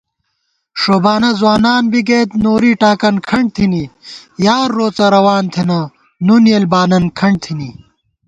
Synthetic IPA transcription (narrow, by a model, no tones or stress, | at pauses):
ʂoːbaːnɐzwaːnaːnbiɡeːt̪noːɾiːʈaːkɐnkʰɐɳɖ̚t̪ʰinijaːɾːoːt͡sɐɾɐwaːnt̪ʰenɐ | nunjelbaːnɐnkʰɐɳɖt̪ʰini